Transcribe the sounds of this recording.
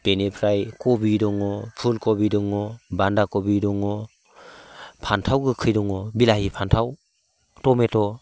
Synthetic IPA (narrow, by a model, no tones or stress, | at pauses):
b̥enepʰɾajkɔbidɔŋɔpʰulkɔbidɔŋɔbandakɔbidɔŋɔ | pʰantʰawɡɯkʰɯjdɔŋɔbilahipʰantʰaw | tɔmetɔ